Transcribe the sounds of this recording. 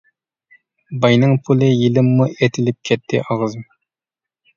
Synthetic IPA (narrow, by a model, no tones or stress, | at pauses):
bɑjnɨŋpʰulˠɨjilɪmːuet̪ʰɪlɪp̚kʲʰɛt̪ʰːɪʔɑʁzɨm